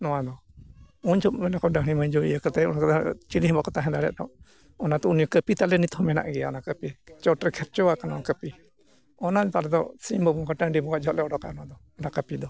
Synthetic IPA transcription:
nɔwad̪ɔ | uɲt͡ʃʰɔpmɛnakɔɖaɦɽiməɲd͡ʒoḭjəkat̪ajɔnakat̪at͡ʃiliɦɛbakɔt̪aɦɛ̃d̪aɾɛa̰ʔt̪a̰ | ɔnat̪ɔunijɔkəpit̪alɛnit̪hɔmɛna̰ʔɡɛjaɔnakəpit͡ʃɔʈɾkʰɛɾt͡ʃɔwakanaɔnkəpi | ɔnat̪alɛd̪ɔsimbɔbɔŋkaʈaŋɖibɔɡaʔd͡ʒɔʔlɛɔɽɔka̰nɔwad̪ɔ | ɔnakəpid̪ɔ

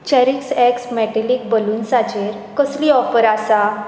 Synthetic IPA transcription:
t͡ɕɛɾiksɛksmɛʈəlik̚bəluːnsad͡ʑeɾ | kəsliɔfəɾasa

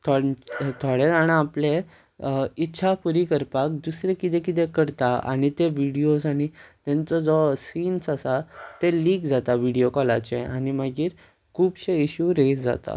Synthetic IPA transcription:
t̪ʰot̪ʰoɽet͡sañaaplẽ | itːɕʰapuɾikəɾpak̚d̪usɾekit̪ẽkit̪̬ẽkəɾt̪aa̰ɽ̃it̪eʋiɽijosaɽ̃it̪ɛ̃nt͡sɔd͡zɔsiːnsasat̪eliːkd͡zat̪aʋiɽijokɔlat͡ɕẽañiməɡiːɾ | kʰuːbɕeiɕuɾesd͡za̰t̪a̰

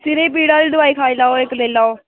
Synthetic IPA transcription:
sɪɾeːpiːɽãːɾiːd̪ʊaːiːkʰaːiːlaːoːɪkleːlaːoː

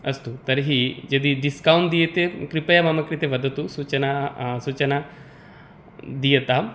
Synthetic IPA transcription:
ɐst̪ut̪ɐɾɦid͡ʒɐd̪iɖiskawɳd̪ijɐt̪ekɾipɐjɐmɐmɐkɾit̪eʋɐd̪ʱɐt̪usuːt͡ʃɐnasut͡ʃɐna | d̪ijɐt̪a

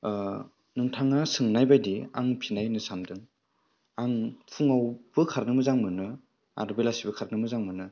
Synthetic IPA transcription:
nɯŋtʰaŋasɯŋnajbajdia̰ŋpʰinajnɯsamdɯŋ | aŋpʰuŋawb̥ɯkʰaɾnɯmɯzaŋmɯnɯ | a̰ɾbelasibɯkʰaɾnɯmɯzaŋmɯnɯ

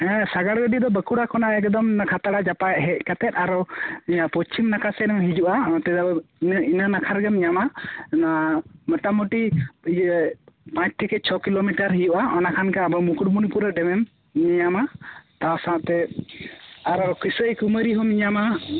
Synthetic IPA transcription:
hɛ̃saɡaɽɡəɖiʔd̪ɔbəkuɽakɔnaɛkd̪ɔmkʰat̪aɽad͡ʒapaaʔɦɛc̚ˀkat̪ɛt̪̚aɾɔiɲapɔt͡ʃimnakʰasɛnɛmɦid͡ʒuʔãt̪ɛd̪abinanakʰaɾɡɛmɲamanaməʈamuʈi | pãt͡ʃʈʰikɛt͡ʃʰɔkilomiʈaɾɦid͡ʒuʔaɔnakʰankaabɔmukuʈmunipuɾɛɖɛmɛmː | iɲamat̪asãʔt̪ɛ | aɾɔkisəjkuməɾiɦɔmiɲama

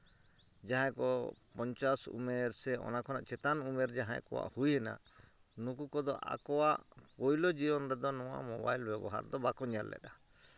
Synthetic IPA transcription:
d͡ʒaɦãjkɔpɔɲt͡ʃasṵmɛɾsɛɔ̰nakʰɔnaʔt͡ʃɛt̪anumɛɾd͡ʒaɦãjkɔwa̰ʔhujhɛna̰ | nukukɔd̪ɔʔa̰kɔwaʔpɔjlɔd͡ʒiɔnɾɛd̪ɔnɔwa̰ʔmɔbajlbɛbɔ̰ɦa̰ɾd̪ɔbakɔɲalːɛ̰ɗa

